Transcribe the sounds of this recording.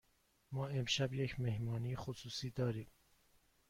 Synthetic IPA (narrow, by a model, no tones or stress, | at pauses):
mɒːemʃæbjecʰmehmɒːnijexosuːsiːd̪ɒːɾiːm